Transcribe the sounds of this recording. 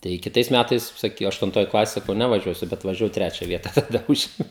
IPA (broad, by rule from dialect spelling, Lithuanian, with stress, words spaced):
tɐɪ kʲɪˈtɐɪs ˈmʲætɐɪs ˈsɐk ɐʃtʊnˈtoːj ˈklˠɑːsʲeːj sɐˈkɐʊ ˌnʲæːʋɐˈʒʲuɔsʲʊ bʲɛt ʋɐʒʲɛˈʋɐʊ ˈtʲrʲæːt͡ʃʲɛ ˈʋʲiɛtɐ tɐˈdɐ ˈʊʒʲeːmʲɛʊ